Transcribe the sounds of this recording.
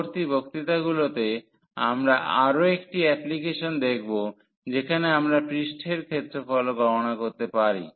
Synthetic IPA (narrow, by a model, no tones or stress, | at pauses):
ɾt̪ibʱokt̪it̪aɡulot̪e | amɾaʔaɾoekʈiɛplikeʃond̪ek̚ʰbo | d͡ʑekʰaneamɾapɾiʃʈʰeɾkʰet̪ːɾefɔloɡɔmonakoɾt̪epaɾḭ